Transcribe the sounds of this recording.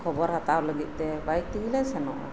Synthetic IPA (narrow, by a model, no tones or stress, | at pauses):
kʰɔbɔɾhat̪awləɡit̪̚ˀt̪ɛbajk̪̚t̪iɡlajsɛnɔ̰ʔa̰